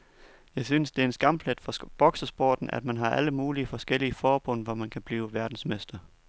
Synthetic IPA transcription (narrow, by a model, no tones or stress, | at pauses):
jɑ̈ɪsynsd̥e̝ɐe̝nsɡ̥ɑ̈m̰̥led̥fɒ̽b̥ɒ̽ɡ̥səsb̥oːd̥n̩ʔæ̰d̥mænɦɑ̈ʔæləmuːliəfɒ̽sɡ̥el̰iəfɒːb̥ɔ̽n̰ʋɒmænkʰæb̥liːʊʋæɐd̥n̩smesd̥ɐ